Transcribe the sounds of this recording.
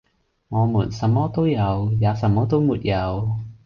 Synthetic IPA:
ŋɔː˨˧muː˨˩nsɐ˨˧mːɔː˥t̪o˥wjɐ˨˧wjaː˨˧sɐ˨˩mːɔː˥t̪o˥wmuː˨t̚jɐ˨˧w

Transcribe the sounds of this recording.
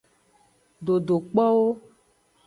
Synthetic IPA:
ɖo˨ɖo˨k͡pɔ˦wo˦

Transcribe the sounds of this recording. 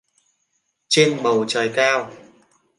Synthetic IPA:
t͡ɕe˧nɓə˨˩wt͡ɕəː˨˩jkaː˧w

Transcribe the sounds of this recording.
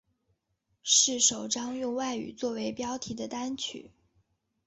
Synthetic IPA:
ʂɻ̩˥˩ʂo˨˩ʊʈ͡ʂɑ˥ŋjʊ˥˧ŋwa˥˩ɪy̰˨˩t͡swɔ˥˩we˧˥ɪpjɑ˥ʊt̪ʰi˧˥d̪ə˧t̪a˥nt͡ɕʰy̰˨˩˦

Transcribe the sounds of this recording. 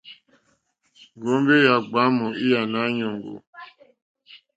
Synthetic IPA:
ŋ˨ɡo˨˦m˦be˦ja˨ɡ͡ba˨˦mu˨i˦ja˨na˦ɲo˨ŋɡo̰˨

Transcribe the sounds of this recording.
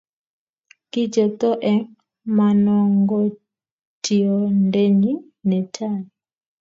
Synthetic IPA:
ki˦d͡ʒɔ˨t̪ɔ˦ʔɛ˨ŋ | ma˨nɔ˨ŋɡɔ˦ | ti˨ɔ˨ndɛ˦ɲi˦ | nɛ˨tʰa˦˨ni

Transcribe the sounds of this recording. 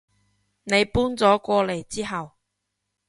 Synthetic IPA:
ne˨˧jpuː˥nt͡sɔː˨˥kʷɔː˧le˨˩jt͡siː˥ɦɐ˨w

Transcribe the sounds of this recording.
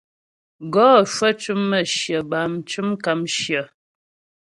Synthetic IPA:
ɡɔ˦˨ʃə˦t͡ʃʉ˦mːə˦˨ʃjə˨ba˨mt͡ʃʉ˦mka˨mʃjə˨

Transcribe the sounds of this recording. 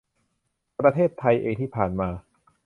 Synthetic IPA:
pɾa˧t̪ʰeː˥˩t̪ʰːa˧jʔeː˧ŋt̪ʰiː˥˩pʰaː˨˩nmaː˧

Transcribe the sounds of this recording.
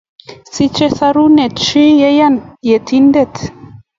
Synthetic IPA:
si˦t͡ʃɛ˦sa˧ɾu˦nɛ˨t͡ʃi˦jɛ˦ja˦˨nje˨tʰi˦ndɛ˦˨t

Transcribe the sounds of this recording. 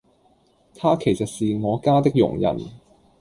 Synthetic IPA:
t̪ʰaː˥kʰe˨˩jsɐ˨t̚siː˨ŋɔː˨˧kaː˥t̪ɪ˥k̚jʊ̰˨˩ŋjɐ̰˨˩n

